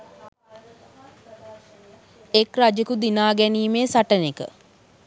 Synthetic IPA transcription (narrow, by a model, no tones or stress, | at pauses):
ekrad͡ʒəkud̪inaːɡɛniːmeːsaʈənekə̰